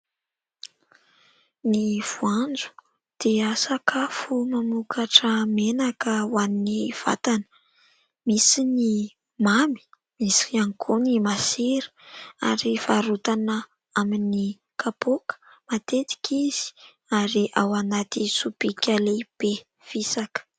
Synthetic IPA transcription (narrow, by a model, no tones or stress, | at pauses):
niv̥uand͡zu̥ | d̪̥eəsakʰafumamukʰaʈ͡ʂəmenakəwaniniv̥a̰t̪anə̥ | misini | mami̥ | misiiaŋkʰonimasiɾi̥a̰ɾifaɾut̪anə | amini | kʰapokə̥ | mat̪et̪i̥kʲʰiz̥i̥ | aɾiʔawanat̪isupikʲʰaleb̥e | v̥isakə̥